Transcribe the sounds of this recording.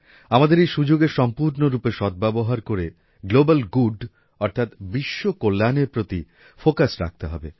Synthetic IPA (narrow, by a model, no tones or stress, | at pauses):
amad̪eɾejʃud͡ʑoɡeɾʃɔmpuɾnoɾupeʃɔt̪̚bɛboɦaɾkoɾe | ɡlobalɡuɖ | ɔɾt̪ʰat̪biʃːokolːaneɾpɾot̪i | fokasɾa̰k̚t̪eɦɔbe